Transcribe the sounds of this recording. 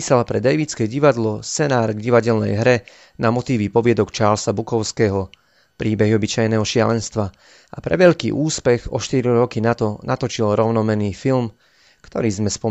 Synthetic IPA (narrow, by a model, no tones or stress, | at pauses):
iːsalpɾɛd̪ɛjʋiːt͡skɛːɟiʋad̪lɔst͡sɛnaːɾɡɟiʋaɟɛlnɛ̰jɦɾɛ | namɔt̪iːʋipɔʋɪɛd̪ɔkt͡ʃaːɾlsabukɔʊskɛːɦɔ | pɾiːbɛɦiɔbit͡ʃajnɛɦɔʃɪa̰lɛnst̪ʋa | ʔapɾɛ̰ʋɛʎkiːʔuːspɛɣɔ̰ʃt̪iɾiɾɔkinat̪ɔnʔat̪ɔt͡ʃilɾɔʊnɔmɛniːfilm | kt̪ɔɾiːzmɛspɔ